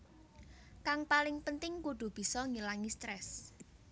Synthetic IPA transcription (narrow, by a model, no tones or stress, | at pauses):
kaŋpalɪŋpənt̪ɪŋkuɖ̪̥ṳb̥i̤sɔŋilaŋist̪ɾɛs